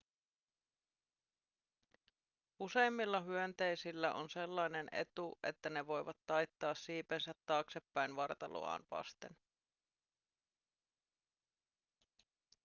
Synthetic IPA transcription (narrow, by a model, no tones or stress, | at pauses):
use̞jmːilːɑɦyønt̪e̞jsilːæʔo̰nse̞lːɑjne̞ne̞̰t̪uʔe̞̰t̪ːæne̞ʋo̞jʋɑt̪ːɑjt̪ːɑːsːiːpensæt̪ːɑːkse̞pːæjnʋɑrt̪ɑlo̰ɑ̰ːnʋɑ̰st̪e̞̰n